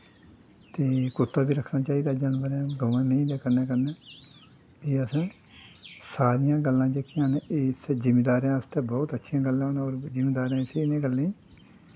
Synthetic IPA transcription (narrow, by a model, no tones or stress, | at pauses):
t̪eːkʊt̪ːaːbiːɾəkʰnaːt͡ʃaːiːd̪aːd͡ʒaːnbəɾãːɡəʋãːmẽĩd̪aːkənɛ̃ːkəɾneː | eːəsãː | saːɾɪjãːɡəlːãːd͡ʒeːkɪãːnẽeːsd͡ʒɪmeːd̪aːɾejãːəst̪ɛ̃ːbɔːt̪ətːʃʰijãːɡəlːãːoːnːoːɾzɪmeːd̪aːɾãːsenẽːɡəlːẽːĩː